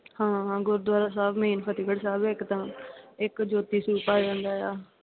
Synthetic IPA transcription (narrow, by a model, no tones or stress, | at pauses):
hãːɡʊɾd̪waːɾaːsaːbmiːnpʰət̪iːkəɽsaːbɪkt̪ãːɪkd͡ʒoːt̪iːsuːpaːd͡ʒãːnd̪aːjaː